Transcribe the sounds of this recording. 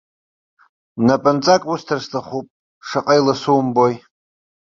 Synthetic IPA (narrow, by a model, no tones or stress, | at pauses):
napʼant͡sʼakʼustʰarstʰaχupʼ | ʂaqʼajlasumboj